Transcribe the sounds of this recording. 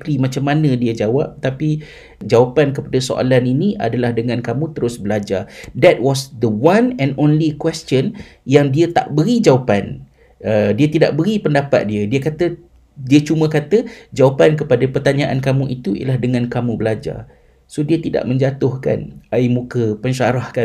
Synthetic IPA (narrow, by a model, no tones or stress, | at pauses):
klimãt͡ʃamːanə̃diəd͡ʒawap̚t̪api | d͡ʒawapankəpadaso̰ʔa̰laniniʔa̰dalahdəŋãnkamũt̪əɾʊsbəlad͡ʒad̪ɛt̪̚wɔsd̪əwãnɛ̃nõnlikwɛstənjaŋdiət̪a̰ʔbəɾid͡ʒawapan | ədiat̪ida̰ʔbəɾipəndapa̰t̪̚diədiəkat̪ə | diət͡ʃumə̃kat̪əd͡ʒawapankəpadapərt̪aɲãʔankamũʔit̪uḭə̰lahdəŋãnkamũbəlad͡ʒa̰r | sodiət̪ida̰ʔmə̃ɲd͡ʒat̪ʊhka̰naimũkəpəɲʃaɾahka